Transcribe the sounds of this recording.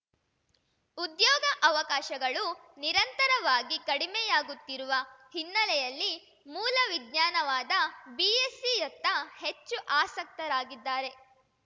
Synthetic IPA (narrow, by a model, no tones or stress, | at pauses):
ud̪jɔːɡɐʔɐʋɐkaːʃɐɡɐɭu | niɾɐnt̪ɐɾɐʋaːɡikɐɽimɛjaːɡut̪ːiɾuʋɐhinːɐlɛjɐlːi | muːlɐʋiɡɲaːnɐʋaːd̪ɐbiːesijɐt̪ːɐhet͡ʃːuʔaːsɐk̚t̪ɐɾaːɡid̪ːaːɾe̞